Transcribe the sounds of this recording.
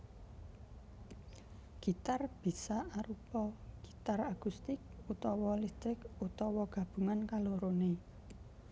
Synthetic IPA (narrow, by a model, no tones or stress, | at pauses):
ɡ̥i̤t̪arb̥i̤saaɾupɔɡ̥i̥t̪arakust̪ɪk̚ut̪ɔwɔlist̪ɾɪkut̪ɔwɔɡ̥ä̤b̥ṳŋankaluɾone